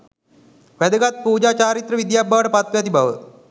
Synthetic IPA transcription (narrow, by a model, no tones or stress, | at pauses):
ʋæd̪əɡat̪̚puːd͡ʒaːt͡ʃaːɾit̪ɾəʋid̪jaːbaʋəʈəpat̪ʋjat̪ibaʋə